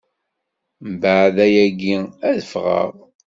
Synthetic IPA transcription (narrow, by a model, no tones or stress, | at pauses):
mbəʕðæjæɡiæðəfʁə̰ʁ